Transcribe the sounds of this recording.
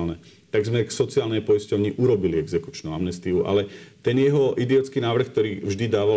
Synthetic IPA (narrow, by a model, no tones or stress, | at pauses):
lnɛ | t̪aɡzmɛksɔt͡siaːlnɛjpɔiscɔʊɲiʔuɾɔbiliɛɡzɛku̥t͡ʃnua̰mnɛst̪iuʔa̰lɛt̪ɛnjɛɦɔʔid̪iɔt͡skiːnaːʋr̩xk̚t̪ɔɾiːvʒd̪id̪aːʋa